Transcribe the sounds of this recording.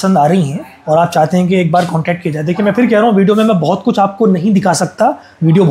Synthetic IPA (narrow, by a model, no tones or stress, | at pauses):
sə̃nd̪aːɾɐɦiɦɛ̃ | ɔːɾaːp̚t͡ʃaːɦt̪eɦɛ̃k̬ieːk̚baːɾkɔ̃ːɳʈɛːk̚ʈ̚kied͡ʒaːed̪eːkʰiemɛ̃ːpʰɪɾkɛɦɾɐɦũʋiːɖijomẽmɛ̃bɔɦʊt̪kʊt͡ʃʰaːp̚konɐɦĩd̪ɪkʰasɐk̚t̪a | ʋiːɖijobʱ